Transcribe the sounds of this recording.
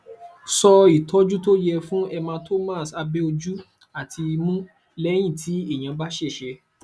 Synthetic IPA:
sɔ˧i˨tʰɔ˨˦d͡ʒu˦to˦jɛ˧fũ˦ɛ˧mãː˧tʰo˦mã˦˨sa˧bɛ˦o˧d͡ʒu˦ | a˦˨tʰi˧mũ˦ | lɛ˦j̃ĩ˦˨tʰi˨˦e˦˨j̃ã˨˧ba˦ʃɛ˦˨ʃɛ˧

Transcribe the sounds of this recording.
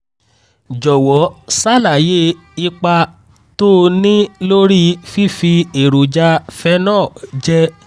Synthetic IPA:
d͡ʒɔ˨wɔ˨˦sa˦˨la˨je˦ | i˧k͡pa˧ | to˦nĩ˦lo˦ɾi˦fi˦fi˧e˨ɾu˨d͡ʒa˧fɛ˧˦nɔ̃ː˦˨d͡ʒɛ˦

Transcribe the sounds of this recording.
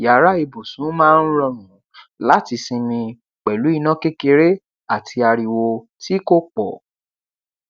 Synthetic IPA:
ja˨˦ɾa˦i˧bo˨sũ˨˦mãː˦˧n̩˦ɾɔ˧ɾ̃ũ˨˦ | la˦ti˧sĩ˧mĩ˧ | k͡pɛ˨lu˨˦i˦˧nã˦ke˦ke˧ɾe˦ | a˦˨tʰi˧a˧ɾi˨wo˧ | ti˦ko˦k͡pɔ˨

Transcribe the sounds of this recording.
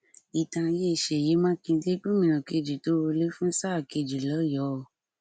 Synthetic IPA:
i˨tã˧je˦˨ʃe˨je˨˦mã˦kĩ˧de˦ɡ͡bũ˦mĩ˨nã˨ke˧d͡ʒi˨to˨˦o˧le˦fũ˦sa˦˨ke˧d͡ʒi˨lɔ˨˦jɔ˨˦˨

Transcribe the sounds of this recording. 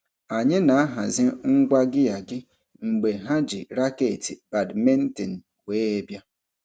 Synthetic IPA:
a˨ɲɪ˦na˨a˦ɦa˨zɪ˦ŋ̩˦ɡʷa˦ɡɪ˦ja˨ɡɪ˦ | ŋ͡m̩˨ɡ͡be˨ɦa˦d͡ʒɪ˨ɾa˦ke˨ti˨ba˨dme˦n̩˦tɪ˨n̩˨ | we˨˦e˦bja˦

